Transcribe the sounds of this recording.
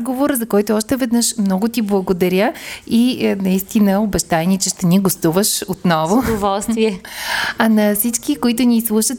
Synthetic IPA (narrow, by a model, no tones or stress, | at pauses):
ɡovoɾəzɐkɔjt̪ʊɔʃt̪ɛvɛd̪nəʃmnɔɡʊt̪iblˠɐɡod̪ɐɾʲjəinɐist̪inəobɛʃt̪aɛnit͡ʃɛʃt̪ɛniɡost̪uvəʃot̪nɔvʊd̪ovɔlˠsviɛɐnɐfsit͡ʃkikoit̪ʊnislˠuʃət̪